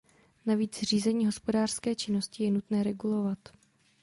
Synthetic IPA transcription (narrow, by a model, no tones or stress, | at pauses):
naviːt͡sr̝iːzɛɲiːɦo̞spo̞daːr̥skɛːt͡ʃɪno̞scɪjɛnut̪nɛːɾɛɡulo̞vat̪